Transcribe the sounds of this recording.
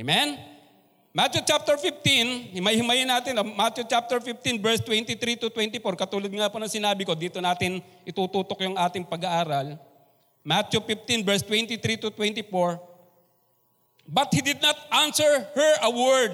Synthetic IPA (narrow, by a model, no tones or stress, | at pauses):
emɛn | mat̪jut͡ʃap̚t̪ɛɹfɪft̪inhɪmɐjhɪmɐjɪnaːt̪ɪnɐmat̪jʊt͡ʃap̚t̪ɛɹfɪft̪inbɛɹst̪wɛnt̪it̪ɾit̪ʊt̪wɛnt̪ɪfoɹkɐt̪uːlod̪̚ŋaponɐŋsɪnaːbɪko̞d̪iːt̪onaːt̪ɪnʔɪt̪uːt̪uːt̪okjʊŋʔaːt̪ɪŋpɐɡɐʔaːɾɐl | mat̪ufɪft̪inbɛɹst̪wɛnt̪it̪ɾit̪ʊt̪wɛnt̪ɪfoɹ | bɐt̪̚hid̪ɪd̪̚nɐt̪̚ʔansɛɹhɛɹʔɐwɛɹd̪̚